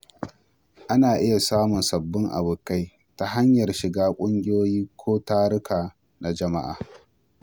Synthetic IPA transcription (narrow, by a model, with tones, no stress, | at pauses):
ʔa˦naː˨ʔɪ˦ja˨saː˦mʊ˨nsɐ˨bːɪ˦ŋʔa̰˨bʊ˨ka˦j | ta˨ɦa˦ɲjɐ˨rʃɪ˨ɡaː˦kʷʼʊ˦ŋɡʲɪ˦joː˦jiː˦kʷʰoː˦taː˦ɾʊ˦kaː˨ | na˨d͡ʒɐ˨ma̰˦ʔa̰ː˨